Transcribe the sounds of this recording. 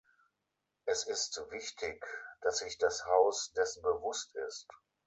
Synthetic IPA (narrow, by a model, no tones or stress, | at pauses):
ʔɛsɪstvɪçtʰɪkd̥asz̥ɪçd̥ashaʊsd̥ɛsn̩bəvʊstɪ̰st